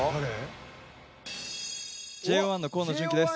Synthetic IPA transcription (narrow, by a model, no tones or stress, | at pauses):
aɾe | d͡ʑe̞ːβãnːo̞ko̞ːnoʑĩŋkʲid̪e̞s